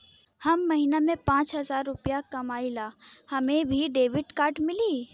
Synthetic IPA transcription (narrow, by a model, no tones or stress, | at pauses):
hɐmːɐɦiːnamẽpãːt͡ʃɦɐzaːɾːʊpjakɐmaːilaːhɐmẽbʱiɖeːʋɪʈkaːɾʈmɪliː